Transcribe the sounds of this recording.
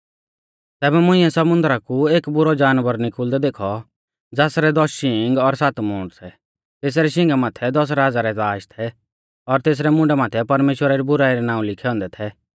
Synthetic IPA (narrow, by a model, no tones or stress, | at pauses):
t̪ɛːbɛmʊ̃ɪ̃ːɛ̃sɐmʊ̃nd̪əɾakueːkbʊɾɔd͡ʒaːnʋəɾnɪkʰʊːld̪ɛd̪eːkʰɔ | d͡zaːsɾɛd̪ɔɪ̃ŋɡɔɾsaːt̪mʊ̃ːɳɖsɛ | t̪eːs̬ɾɛʃ̬ɪ̃ŋɡamaːt̪ʰɛd̪ɔs̬ɾaːd͡zaɾɛzaːʃt̪ʰɛ | ɔɾt̪eːs̬ɾɛmʊ̃ɳɖɛmaːt̪ʰɛpɐɾmeːʃwəɾaɾibʊɾaːiɾɛnãːũlɪkʰɛɔ̃ːnd̪ɛt̪ʰɛ